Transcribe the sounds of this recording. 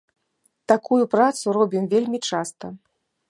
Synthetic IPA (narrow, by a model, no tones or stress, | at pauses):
t̪akujupɾat̪suɾɔbʲimvʲelʲmʲit͡ʂast̪ɐ